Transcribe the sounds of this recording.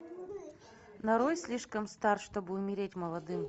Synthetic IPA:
nɐɾojsʲlʲiʂkəmst̪arʂt̪obɨʊmʲɪɾʲetʲməlˠɐd̪ɨm

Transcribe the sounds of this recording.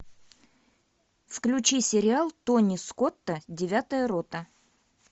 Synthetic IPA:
fklʲʉt͡ɕisʲɪɾʲɪalˠt̪onʲiskot̪ːədʲɪvʲat̪əjəɾot̪ə

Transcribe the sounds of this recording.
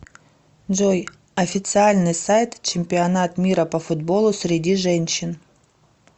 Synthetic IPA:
d͡ʒoj | ɐfʲɪt̪sɨalʲnɨjsajt̪t͡ɕɪmʲpʲɪɐnat̪mʲiɾəpɐfʊd̪bo̞lˠʊsʲɾʲɪdʲiʐɛnʲɕɪn

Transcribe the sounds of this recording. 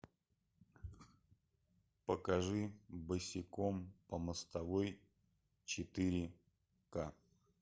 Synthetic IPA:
pəkɐʐɨbɨsʲɪkompəməst̪ɐvoj | t͡ɕɪt̪ɨɾʲɪ | ka

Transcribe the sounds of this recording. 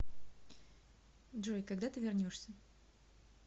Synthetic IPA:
dʐojkaɡd̪at̪ɨvʲɪrnʲoʂsʲə

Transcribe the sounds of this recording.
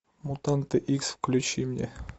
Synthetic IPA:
mut̪ant̪ɨʔiksfklʲʉt͡ɕimnʲe

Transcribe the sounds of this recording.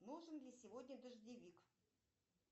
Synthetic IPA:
nuʐɨnlʲɪsʲɪvodʲnʲəd̪əʐd̪ʲɪvʲik

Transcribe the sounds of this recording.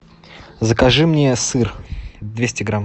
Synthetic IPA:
zəkɐʐɨmnʲesɨrd̪vʲesʲtʲɪɡɾam

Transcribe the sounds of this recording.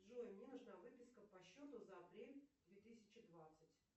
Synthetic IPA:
ʐoɪmnʲenʊʐnavɨpʲɪskəpɐɕːot̪ʊzəɐpɾʲelʲd̪vʲet̪ɨsʲɪt͡ɕɪd̪vat̪sɨtʲ

